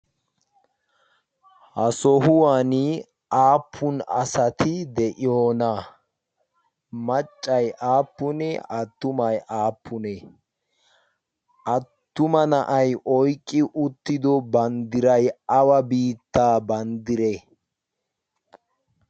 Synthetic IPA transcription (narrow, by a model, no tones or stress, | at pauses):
hɐsɔɦʊwaːnɪ | ʔaːpʰːʊnɐ̰sɐt̪ʰɪd̪ɛʔɪjoːna | mɐt͡ʃʼːɐjʔaːpːʊnɛɐt̪ːʊmɐjʔaːpʰːʊnɛ | ʔɐtt̪ːʊmɐnɐʔɐjʔɔjkʼːɪʔʊt̪ːɪd̪ɔbɐnd̪ɪɾɐjɐwɐbiːt̪ːaːbɐnd̪ɪɾɛ